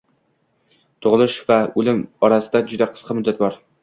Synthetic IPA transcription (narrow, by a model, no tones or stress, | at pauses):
t̪ʰʊʁlˠɪʃvaɵlɪmɒɾasɪd̪ad͡ʒʊd̪aqʰə̥sqʰɑmʊd̪ːat̪̚bɒɾ